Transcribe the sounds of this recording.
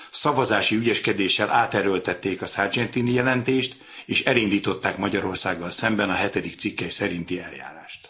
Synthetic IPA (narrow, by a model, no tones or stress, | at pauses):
sɒvɒzaːʃiyɟɛʃkɛd̪eːʃːɛlʔaːt̪ɛɾølt̪ɛt̪ːeːkɒsard͡ʒɛnt̪inijɛlɛnt̪eːʃt̪ | eːʃɛlind̪iːt̪o̞t̪ːaːkmɒɟɒɾo̞rsaːɡːɒlsɛmbɛnɒɦɛt̪ɛd̪ik̚t̪sikːɛjsɛɾint̪iɛlja̰ːɾa̰ːʃt̪